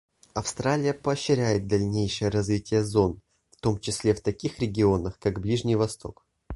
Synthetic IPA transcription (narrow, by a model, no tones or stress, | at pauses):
ɐfst̪ɾalʲɪjəpəːɕːɪɾʲæjɪt̪̚d̪ɐlʲnʲejʂɨjəɾɐzvʲitʲɪjəzo̞n | ft̪o̞mt͡ɕɪsʲlʲeft̪ɐkʲixɾʲɪɡʲɪo̞nəxkaɡblʲiʐnʲɪjvɐst̪o̞̰k